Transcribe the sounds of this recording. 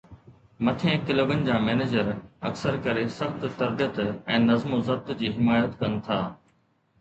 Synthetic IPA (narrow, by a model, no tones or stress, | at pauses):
mɐt̪ʰẽːkɪloːɡənɪ̆d͡ʑãːmɛːneːd͡ʑəɾɐ̰ksəɾkɐɾesɐxt̪t̪ɐɾbijət̪ɛ̃ːnɐzmozɐb̚t̪d͡ʑiːɦɪmaːjət̪kɐnɪ̆t̪ʰaː